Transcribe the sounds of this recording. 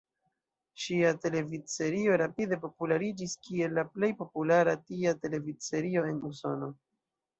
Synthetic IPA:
ʃiate̞le̞vit͡se̞ɾio̞ɾapide̞po̞pulaɾid͡ʒiskie̞lːaple̞jpo̞pulaɾatiate̞le̞vit͡se̞ɾio̞e̞nuso̞̰no̞

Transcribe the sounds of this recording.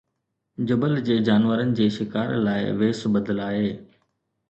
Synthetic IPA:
d͡ʑʊbəld͡ʑeːd͡ʑaːnʋəɾənɪ̆d͡ʑeːʃɪkaːɾlaːɪ̰ʋeːsbəd̪əlaːɦeː

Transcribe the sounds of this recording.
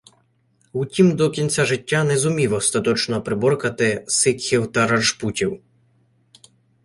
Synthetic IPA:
utʲimd̪ɔkʲinʲt͡sʲaʒɪtʲːanɛzʊmʲiʋɔst̪ɐt̪ɔt͡ʃnɔpɾɪbɔrkɐt̪ɪsɪkʲxʲiwt̪ɐɾɐʒputʲiw

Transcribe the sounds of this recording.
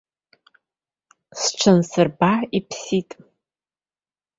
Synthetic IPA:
sʈ͡ʂʷʰansɨrbaipʰsitʼ

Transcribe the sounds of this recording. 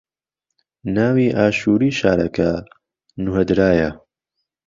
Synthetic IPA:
naːwiːʔaːʃuːɾiːʃaːɾɐkɐ | nuɦɛd̪ɾaːjɐ

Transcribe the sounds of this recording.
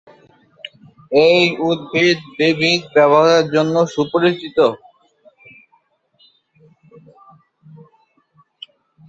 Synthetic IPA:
ejud̪̚bʱid̪bibʱid̪bɛβoɦeɾd͡ʑonːoʃupoɾit͡ɕit̪o

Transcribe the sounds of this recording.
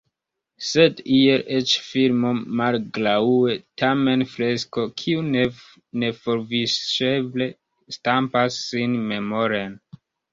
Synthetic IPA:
se̞dielʔet͡ʃfilmo̞malɡlaue̞tʰame̞nfɾe̞sko̞kʰiune | ne̞foɾvisʃeble̞ | stampasːinme̞mo̞ɾen

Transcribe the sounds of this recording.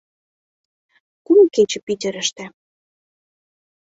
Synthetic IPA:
kumket͡ɕə̆pit̪ʲə̆ɾə̆ʃt̪æ̆

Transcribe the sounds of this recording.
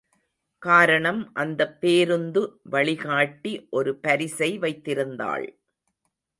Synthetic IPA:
kaːɾɐɳɐmʔɐnd̪ɐpːeːɾɯnd̪ɯʋɐɭɪɣaːʈːiʔɔɾɯpɐɾɪsɐɪʋɐɪt̪ːɪɾɯnd̪a̰ːɭ

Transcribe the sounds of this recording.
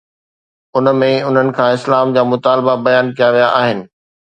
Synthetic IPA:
ʊnmẽʊn̤ənɪ̆kʰãːɪslaːmd͡ʑaːmʊt̪aːlbabɐjaːnkijaʋijaʔaːɦɪnɪ̆

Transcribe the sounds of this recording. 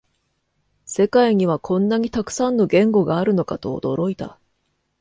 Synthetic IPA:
se̞kaiɲ̟iβ̞akʰõ̞nːaɲ̟it̪akɯ̟̥sãnːo̞ɡẽ̞ŋɡo̞ɡaːɾɯ̟no̞kat̪o̞̰ːd̪o̞ɾo̞it̪a̰

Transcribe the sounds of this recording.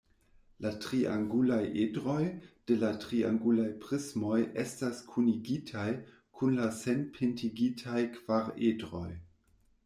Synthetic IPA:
latʁiʔaŋɡulajʔedɾo̞jd̥e̞latʁia̰ŋɡulajpʁismo̞jestaskʰuniɡitʰaj | kʰunlase̞npʰintʰiɡitʰajkv̥aɾedɾo̞j

